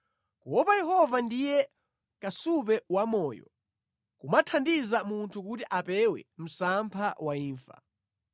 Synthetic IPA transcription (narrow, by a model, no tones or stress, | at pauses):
kuwɔpajɛɦɔvandijɛ | kasup̬ɛwamɔːjɔ̰ | kumatʰandizamuntʰukutiʔapɛwɛ̰m̩sampʰawaiːɱfa̰